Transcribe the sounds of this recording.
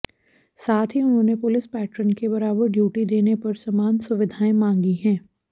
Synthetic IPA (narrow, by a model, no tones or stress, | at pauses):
saːt̪ʰɦiʊnɦõːnepʊlɪspɛːʈɾənkebɐɾaːbəɾɖjuːʈid̪eːnepɐɾsɐmaːnsʊʋɪd̪ʱaːẽmãːŋɡiɦɛ̃ː